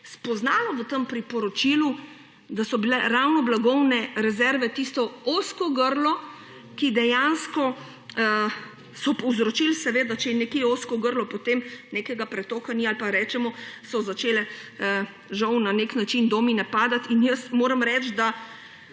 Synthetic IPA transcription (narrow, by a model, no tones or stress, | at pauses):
spɔznaːlɔʋət̪əmpɾipɔɾɔt͡ʃilu | d̪asɔbilɛɾawnɔblaɡɔwnɛɾɛzɛɾʋɛt̪ist̪ɔoskɔɡəɾlɔ | kid̪ɛjanskɔ | sɔpɔwzɾɔt͡ʃilsɛʋeːd̪at͡ʃɛjɛnɛkeoːskɔɡəɾlɔpot̪emnekɛɡapɾɛt̪oːkanialpaɾɛːt͡ʃɛmɔsɔzat͡ʃeːlɛə | ʒɐwnaneknat͡ʃind̪ominɛpaːd̪at̪injəsmoːɾɐmɾɛt͡ʃd̪a